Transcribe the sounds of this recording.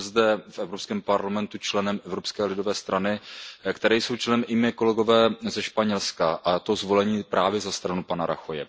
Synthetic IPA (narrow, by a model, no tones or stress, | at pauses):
zdɛfʔɛvɾopskɛːmpaɾlamɛnt̪ut͡ʃlɛnɛmʔɛvɾo̞pskɛːlɪdo̞vɛːst̪ɾʔanɪkt̪ɛɾɛjso̞wt͡ʃlɛnɛmʔɪmɛko̞lɛɡo̞vɛːzɛʃpaɲɛlskaʔat̪ozvo̞lɛɲiːpɾʔaːvjɛzast̪ɾanupanaɾa̰xojɛ̰